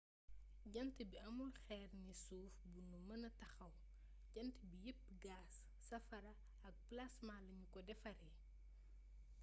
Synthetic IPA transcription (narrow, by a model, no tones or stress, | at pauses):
ɟɐntibiɐmulxɛːrnisuːfbunumɐnɐtɐxɐw | ɟɐntəbijepː | ɡaːsː | ɐfɐɾɐ | ɐk̚plɐsmaːlɐɲukɔdɛfɐɾɛ